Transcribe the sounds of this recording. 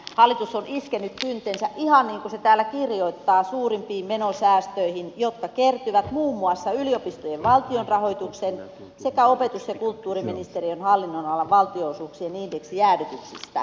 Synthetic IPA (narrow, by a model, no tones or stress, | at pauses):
hɑlːit̪usːoniskenːyt̪pynt̪ensæʔihɑnniːŋkuset̪æːlːækirjoit̪ːɑːsuːrimpiːmmenosæːst̪øihinjot̪kɑkert̪yʋæt̪muːmːuɑsːɑyliopist̪ojeʋʋɑlt̪ionrɑhoit̪uksen | sekæopet̪usjekult̪ːuːriminist̪erionhɑlːinːonɑlːɑʋʋɑlt̪ioosuːksienindeksijæːdyt̪yksist̪æ̰